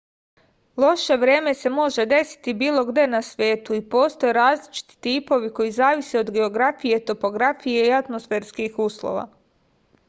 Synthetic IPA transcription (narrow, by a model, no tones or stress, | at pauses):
lˠo̞ʃe̞ʋɾe̞ːme̞se̞mo̞ʒe̞d̪e̞si̥t̪ibiːlˠo̞ɡd̪e̞nasʋʲje̞ːt̪uipo̞ːst̪o̞jeɾaːzlit͡ʃi̥t̪i̥t̪iːpo̞ʋiko̞jizaːʋiseo̞d̪ɡe̞o̞ɡɾafije̞t̪o̞po̞ɡɾafije̞iat̪mosfe̞ːɾskixuːslˠo̰ʋa̰